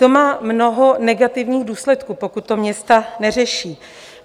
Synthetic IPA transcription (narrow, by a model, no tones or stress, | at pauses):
t̪o̞maːmno̞ɦo̞nɛɡat̪ɪvɲiːɣduːslɛt̪kuːpo̞kut̪̚ːo̞mɲɛst̪anɛr̝ɛʃiː